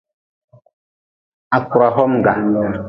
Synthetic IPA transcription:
a˨ku˨ɾa˨ɦɔ˦mŋ˨ɡa˨

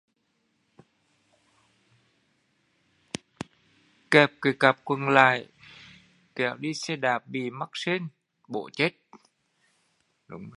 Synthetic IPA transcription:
kɛ˨˩p̚ki˨˩˦ka˨˩p̚kwə˨˧˩nla̰ː˧˨j | kɛ˨˩wɗi˧sɛ˧ɗaː˨˩p̚ɓi˨˩ma˦˥k̚se˧n | ɓo̰˧˩˨t͡ɕe˦˥t̚ | ɗʊ˨˦ŋ͡m

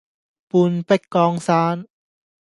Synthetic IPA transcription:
pu˧npe˥˩t̚kɔː˧ŋsaː˧˥n

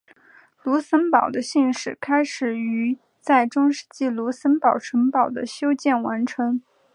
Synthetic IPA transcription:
lu˧˥sə˥npɑ˨˩ʊd̪ə˦ɕi˥˧nʂɻ̩˨˩kʰa˥ɪʂɻ̩˨˩y˧˥ | t͡sa˥˩ɪʈ͡ʂʊ˥ŋʂɻ̩˥˧t͡ɕi˥˩lu˧˥sə˥npɑ˨˩ʊʈ͡ʂʰə˧˥ŋpɑ˨˩ʊd̪ə˦ɕjo˥ʊt͡ɕjɛ˥˩nwa˧˥nʈ͡ʂʰɤ˧˥ŋ

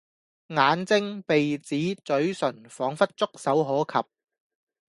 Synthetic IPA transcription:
ŋaː˨˥nt͡sɪ˥ŋpe˨jt͡siː˨˥t͡sɵ˨˥ɥsɵ˨˩nfɔː˨˥ŋfɐ˥t̚t͡sʊ˥k̚sɐ˨˥wɦɔː˨˥kʰɐ̰˨p̚

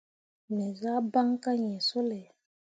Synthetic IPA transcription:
mɛ˨za˦ba˦ŋka˦ɲɛ̃˨so˦le˨

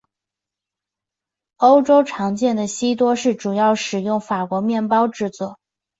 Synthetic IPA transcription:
o˥ʊʈ͡ʂo˥ʊʈ͡ʂʰɑ˧˥ŋt͡ɕjɛ˥˩nd̪ə˩ɕi˥t̪wɔ˥ʂɻ̩˥˩ʈ͡ʂu˨˩jɑ˥˩ʊʂɻ̩˨˩jʊ˥˩ŋfa˨˩kwɔ˧˥mjɛ˥˩npɑ˥ʊʈ͡ʂɻ̩˥˧t͡swɔ˥˩

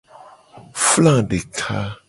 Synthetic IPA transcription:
flã˦˨ɖe˨kʰa˦

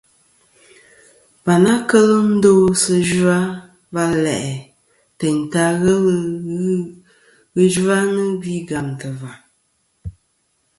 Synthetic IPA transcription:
ba˨na˦kə˦lɨ˦n̩˦do˦sɨ˦ʒa˦ | va˦lɛ˨ʔɛ˨ | tɛ˨n̩˨ta˦ɣə˦l | ɣɨ˦d͡ʒu˦a˦nɨ˦bi˦ɡa˨mtɨ˨va˨

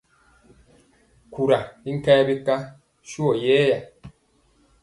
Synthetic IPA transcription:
ku˨ɾa˨i˦ŋ̩˦kɛ˦bi˦ka˦ | ʃu˦ɔ˨jɛː˦ja˨

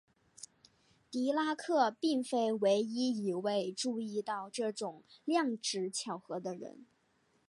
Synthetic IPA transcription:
t̪i˧˥la˥kʰɤ˥˧pi˥˩ŋfe˥ɪwe˧˥ɪi˥i˨˩we˥˧ɪʈ͡ʂu˥˧i˥˧t̪ɑ˥˧ʊʈ͡ʂɤ˥˩ʈ͡ʂʊ˨˩˦ŋljɑ˥˩ŋʈ͡ʂɻ̩˧˥t͡ɕʰjɑ˨˩ʊxɤ˧˥d̪ə˧ɻə̰˧˥n

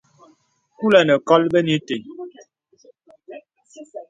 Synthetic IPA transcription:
ku˦lɛ˨nə˨kɔ˦lbə˦ni˦te˨ɲ

